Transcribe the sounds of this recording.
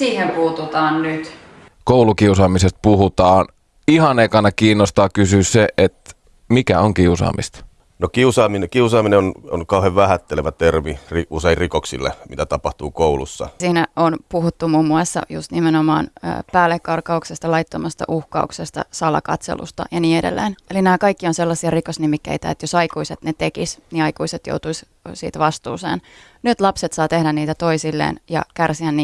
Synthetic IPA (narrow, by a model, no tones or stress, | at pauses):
siːhempuːt̪ut̪ɑːnnyt̪ | koulukiusɑːmisest̪̚puhut̪ɑːn | ihɑnekɑnɑkiːnːost̪ɑːkysyːsseet̪ | mikæ̰oŋkiusɑ̰ːmʔḭst̪ɑ̥ | nokiusɑːminkiusɑːmineononkɑuheʋʋæhæt̪ːeleʋæt̪ermiriuseirrikoksḭlːḛmḭt̪æt̪ɑpɑht̪uːkoulṵsːɑ̰siːnæonpuhut̪ːumumːuɑsːɑ̰jṵst̪nimenomɑ̰ːnø̰ːpæːlːekːɑrkːɑuksest̪ɑlɑjt̪ːomɑst̪ɑ̰ʔuhkɑ̰uksest̪ɑ̰sɑlɑ̰kɑ̰t̪sḛlṵst̪ɑ̰jɑniːedḛlːḛːnelinæːkɑikːionselːɑsiɑrikosnimikːḛit̪æet̪josɑikuiset̪net̪ekisniɑikuiset̪jo̰wt̪uis | sḭːt̪ʋɑst̪ṵːsḛːn | nyt̪lɑpset̪sɑːt̪ehdænniːt̪æt̪o̞isilːḛːnjɑ̰kærsiænni